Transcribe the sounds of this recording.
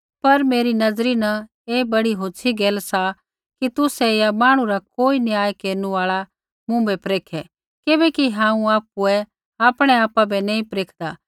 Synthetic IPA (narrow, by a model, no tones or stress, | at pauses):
pɐɾmeːɾinɐzɾinɐ | eːbɐɽiɦoːt͡ʃʰiɡeːlsa | kit̪ʊsɛjamaːɽ̃ũɾakoːinɪaːjkeːɾnuaːɭa | mũbɛpɾeːkʰɛ | kɪbɛkiɦãːũaːp̚uɛ | aːpɽ̃ɛaːpabɛnɛ̃ːĩpɾeːkʰd̪aː